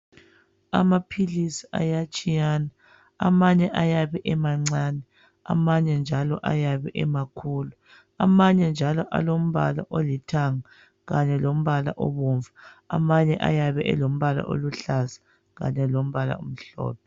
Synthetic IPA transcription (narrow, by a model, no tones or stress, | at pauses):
a̰mapʰilisi̥a̰jat͡ʃʼijaːna | amaɲɛʔajaβɛʔɛmaŋ͡ǀaːnɛ | a̰maɲɛnd͡ʒʱalɔ̰ʔa̰jaβɛʔɛmakʰuːlu | amaɲɛnd͡ʒʱalɔʔa̰lom̩βa̰la̰ʔolitʰaŋa | ɣaɲɛlom̩βala̰ʔɔ̰βuɱvaa̰maɲɛʔa̰jaβɛʔɛ̰lom̩βala̰ʔo̰luɬazḁ | ɣa̰ɲɛlom̩βala̰ṵm̩ɬɔ̰ːp̚ʰɛ